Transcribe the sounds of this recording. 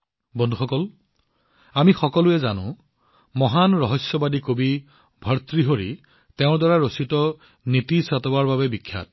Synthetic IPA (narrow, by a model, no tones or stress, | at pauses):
bɔndʱuxɔkɔl | amixɔkɔlʊɛzanʊ̰̃ | mɔɦanɹɔɦɔsjɔbadikobi | bʱəɹt̪ɹiɦoɹḭ | teʊ̃ɹdwaɹaɹositɔ | nitisatɔbaɹbabɛbikʰːja̰t̚